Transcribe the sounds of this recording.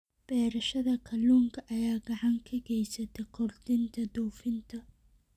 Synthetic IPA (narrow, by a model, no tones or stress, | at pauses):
b̥ɛːɾɐʃɐðɐkʰɐluːŋkʰɐʔɐjaːɡɐʕɑŋkʰɐɡɛjsɐt̪ʰɛkʰɔrd̪ɪnt̪ʰɐd̪uːfɪnt̪ʰɐ